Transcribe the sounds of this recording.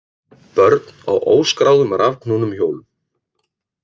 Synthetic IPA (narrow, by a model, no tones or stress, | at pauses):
pœɾt̪na̰wʔo̰ːwskɾawðʏmaɾavkʰnunʏmçoːwl